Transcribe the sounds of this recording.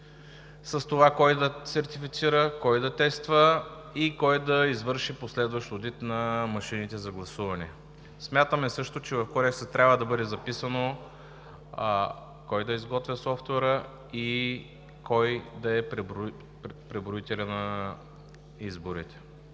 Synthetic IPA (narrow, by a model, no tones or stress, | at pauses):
sɐst̪ovakɔjd̪ɐsɛɾt̪ifit̪siɾəkɔjd̪ɐt̪ɛst̪və | ikɔjd̪ɐizvɤɾʃiposlɛd̪vəʃt̪od̪it̪nɐmɐʃinit̪ɛzɐɡlˠɐsuvɐnɛ | smʲjat̪əmɛsɤʃt̪ot͡ʃɛvɐfkoɾɛksət̪ɾʲabvəd̪ɐbɤd̪ɛzɐpisəno | kɔjd̪ɐizɡɔt̪vʲəsɔft̪vɛɾə | i | kɔjd̪ɐɛpɾɛbɾ | pɾɛbɾoit̪ɛlʲənɐ | izboɾit̪ɛ̥